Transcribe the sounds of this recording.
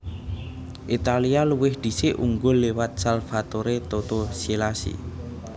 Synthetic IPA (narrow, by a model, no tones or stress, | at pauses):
ʔit̪alialuwɪhd̪̥i̤sɪʔuŋɡʊlːewat̪̚salfat̪oɾet̪ot̪osilasḭ